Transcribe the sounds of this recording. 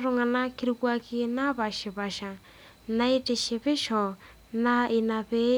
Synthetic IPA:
ɾʊ˦ŋa˨na˦kʰi˦ɾi˧ku˦a˧ki˧na˦βa˨ʃi˨βa˨ʃa˨ | na˦i˦tʼi˨ʃi˧βɪ˦ʃɔ˨ | na˦i˧na˨βe˦

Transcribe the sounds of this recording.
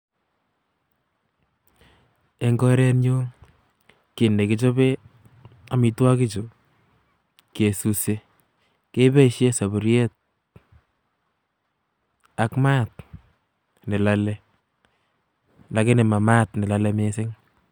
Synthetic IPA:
e˦ŋɡɔ˦ɾɛ˦nɲo˦ | kɪ˨nde˨kɪ˦t͡ʃɔ˦be˦ | a˦mɪ˨twa˦kɪ˦t͡ʃo˨ | kje˨su˨se˦ | ke˦be˦ʃje˦sa˨βu˨ɾjɛ˦t̚ | a˨˦kma˦t̚ | nɪ˨la˦lɛ˦ | la˨˦kɪ˦nɪ˨ma˨ma˦tnɪ˨la˨lɛ˦me˦sɪ˦ŋ

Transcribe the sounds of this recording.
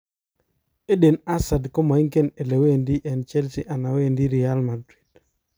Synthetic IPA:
e˦de˨na˦sa˨dko˦ma˨i˦ŋke˦ne˨le˨we˦˨ndi˦ʔɛ˨nt͡ʃɛ˦lsi˦ʔa˨na˨we˦˨ndi˦ɾi˨a˦lma˨dɾi˨d̥

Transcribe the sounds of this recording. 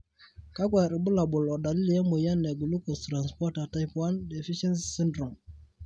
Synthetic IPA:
ka˦kwa˨ɾi˨bu˦la˨bʊ˨lɔ˨da˨li˦ljɛ˦mo˨ja˦nːɛ˨ɡu˨lu˦kɔ˨stɾa˨nspɔ˦ta˨ta˦jpwa˦ndɛ˨fi˦ʃɛ˦nssi˦ndɾɔ˨m

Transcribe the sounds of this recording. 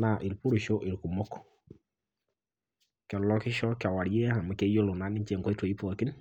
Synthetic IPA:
na˨ʔi˨lpu˦ɾi˨ʃo˦ʔi˨ɾku˨mo˦kɔ̥˨ | ka˨lɔ˦kɪ˦ʃɔ˦ka˨wa˨ɾje˦a˨mɛ˨ke˦jo˦lo˨na˨˦ni˦ɲt͡ʃe˦˨ŋɡo˦e˦two˨i˦pɔ˨ki˦n

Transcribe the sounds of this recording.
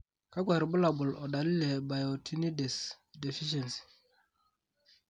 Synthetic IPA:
ka˦ɡwa˨ɾbu˦la˨bu˨lɔ˨da˨li˦le˨ba˨jɔ˨tʰi˦ni˦de˨s | de˨fi˦ʃ̬e˨nsi̥˨

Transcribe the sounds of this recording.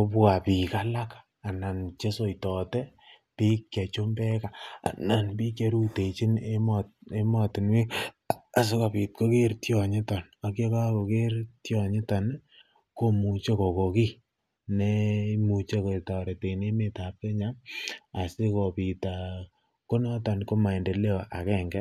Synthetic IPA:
o˦pwa˨pi˨ka˦la˦ka | a˨na˨nt͡ʃe˦so˨jtɔ˨te˦ | pi˦kke˨t͡ʃo˦mbɛ˦ka̰˨na˨npi˦ke˨˦ɾu˦te˨t͡ʃi˦nemte˦mɔ˦tɪ˨nwi˦kː | s̬i˦ko˨pi˨t̚ko˦ke˦ɾtjɔ˨ɲɪ˦ta˨n | a˨kje˦ka˦ko˨ke˦ɾtjɔ˨ɲɪ˦ta˨n | ko˦mu˨t͡ʃe˦ko˨ko˨ki˦ | ne˦mu˨t͡ʃe˦ko˨ta˨ɾe˨te˨ine˦me˨ta˨p̚ke˦ɲa˦ma˨si˦ko˨pi˨ta˨ | ko˦nɔ˦ta˨nko˦ma˨i˨nde˨le˦o˨ʔa˨kɛ˦ŋɡɛ˦

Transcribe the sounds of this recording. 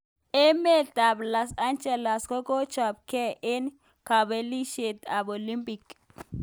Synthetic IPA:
e˦me˦da˨bla˨sa˦nt͡ʃe˨la˨sko˦ko˦t͡ʃa˨b̚ke˦e˦n | ka˨be˦li˦ʃe˨t̪a˨bo˨li˦mpi˨k

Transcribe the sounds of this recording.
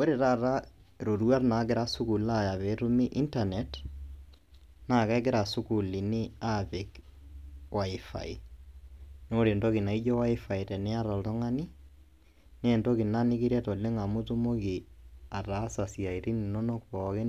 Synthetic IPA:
we˦ɾe˨ɾa˦˨ɾa˦ | ɾo˨ɾu˦a˦rna˨˦k̬ɪ˦ɾa˦sʊ˦ku˨la˦˨ja˨βɛ˨˦ɾu˦mi˦ʔi˦nta˨nɛ˨t | na˦˨kɛ˦k̬ɪ˦ɾa˨sʊ˦ku˨li˨ni˦a˦˨pɪ˨k | wa˨ɪ˨fa̰˨i˨ | no˦ɾe˨ndɔ˦ki˨na˨i˦d͡ʒɔ˦wa˦ɪ˦fa˨i˨tɛ˨nɪ˦a˦ɾa˨ltɔ˦ŋa˦ni˦ | nɛː˦˨ntɔ˦ki˨na˦nɪ˦kɪ˦ɾɛ˦tɔ˨le˦ŋa˨mu˦tu˦mo˦ki˨a˨raː˨˦sa˨si˨a˨i˨ɾi˦ni˨nɔ˦no˦kpɔ˨kɪ˦

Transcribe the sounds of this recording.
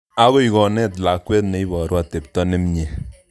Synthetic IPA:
a˦ɣo˦i˨ɣɔ˨nɛ˦tla˨kwɛ˦tne˨˦i˦bɔː˨ɾwa˨te˨p̚tɔ˦ne˦mɲe˨

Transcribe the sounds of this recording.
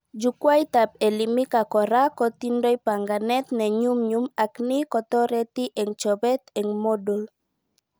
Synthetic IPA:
d͡ʒu˨kwa˦i˦t̪a˨p̚ɛ˨li˨mi˦ka˨kɔ˨ɾa˦kɔ˨t̪i˦ndɔ˦i˦pa˨ŋɡa˨nɛ˦t̪nɛ˨ɲu˦mɲu˦ma˨kni˦kɔ˨t̪ɔ˦ɾɛ˦t̪i˦ʔɛ˨ŋt͡ʃɔ˨bɛ˦t̪ɛ˨ŋmo˦do˨l

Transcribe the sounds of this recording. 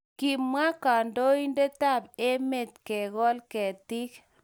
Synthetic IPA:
ki˨mwa˦ka˨ndo˦i˦nde˦ta˦˨b̚e˦me˨t̚kɛ˨ɣɔ˦lkɛ˨tɪ˦k

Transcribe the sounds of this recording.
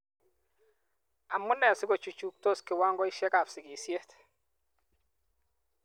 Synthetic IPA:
a˨mʊ˦nɛ˨sɪ˦ɡo˨t͡ʃu˨t͡ʃu˨k̚to˦skɪ˨wa˦ŋɡɔ˦ɪ˦ʃɛ˦ka˨fsɪ˨ɡi˨sje˦t̪

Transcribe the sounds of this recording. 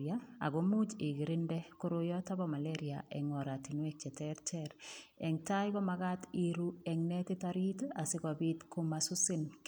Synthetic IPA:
aa̰˨ɡo˦mu˦t͡ʃɪ˨ɡi˨ɾɪ˦ndɛ˦ko˦ɾo˦jɔ˦ta˦ba˦ma˨leɾia̰˨ʔɛ̰˨ŋɔ˨ɾa˨ti˨nwɛ˦k̚t͡ʃɛ˨tɛɾt͡ʃɛɾɛ˨ŋta˦jɡɔ˦maɡa˦ti˦ɾu˦ɛ˨ŋnɛ˦tɪ˦taɾi˦ta˨sɪ˦ɡɔ˨bi˦t̪ko˦masʊ˦sɪ˦nk

